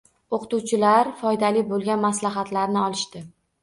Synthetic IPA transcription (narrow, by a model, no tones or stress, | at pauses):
oqʰɨ̥t̪uwt͡ʃʰɪlaɾfɒjd̪alɪbolˠɡʲanmaslaɦat̪laɾnɪɒlˠɪʃt̪ɪ